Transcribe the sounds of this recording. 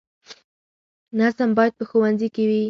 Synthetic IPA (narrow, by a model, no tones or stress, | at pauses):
nazambɑjd̪̚pəxʊwanzikɪwi